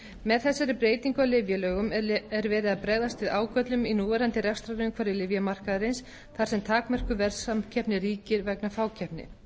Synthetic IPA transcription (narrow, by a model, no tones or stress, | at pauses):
mɛðθɛsːaɾɪpɾeːjt̪iŋkawlɪvjalœːɣʏmɛɾvɛːɾɪðaðpɾɛɣðast̪vɪðaːwkœt̪lʏminuːvɛɾant̪ɪɾɛfst̪ɾaɾʏʏŋkʰvaːɾɪlɪvjamar̥kaðaɾɪns | θaɾ̥sɛmt̪ʰaːkmœr̥kʏvɛɾsamcʰɛpnɪriːcɪɾvɛknafaːwcʰɛpnɪ̰